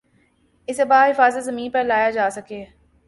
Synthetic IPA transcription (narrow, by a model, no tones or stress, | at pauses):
ɪsebaːɦɪfaːzət̪zɐmĩːnpɐɾlaːjad͡ʒaːsɐke